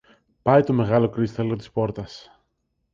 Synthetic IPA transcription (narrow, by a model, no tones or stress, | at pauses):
pɐjt̪o̞me̞ɣɐlo̞kɾist̪elɣot̪i̥spo̞ɾt̪ɐs